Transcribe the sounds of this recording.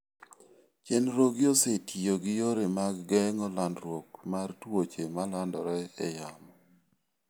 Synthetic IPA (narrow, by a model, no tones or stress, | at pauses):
t͡ʃɛnɾoɡjosetʰioɡɪjoɾemaɡɡɛŋɔlandɾwokmartwot͡ʃemalandɔɾɛɛ̰jamɔ